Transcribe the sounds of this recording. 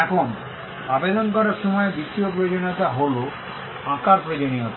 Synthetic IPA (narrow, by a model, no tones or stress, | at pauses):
ɛkʰon | abed̪ɔnkɔɾaɾʃɔmɔebit̪ːiopɾojod͡ʒoniot̪aɦolo | ãkaɾpɾojd͡ʒonijot̪